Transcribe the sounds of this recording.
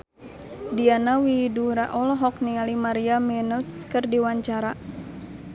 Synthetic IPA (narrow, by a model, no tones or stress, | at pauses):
dianawiduɾaʔɔlɔɦɔk̚niŋalimaɾiamɛnɔtskərdiwaɲt͡ʃaɾa